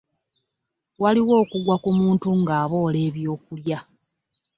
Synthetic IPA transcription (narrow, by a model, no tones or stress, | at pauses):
waliwo̞ːkuɡwakumuːntuŋɡaːβo̞ːle̞ːβjo̞ːkulja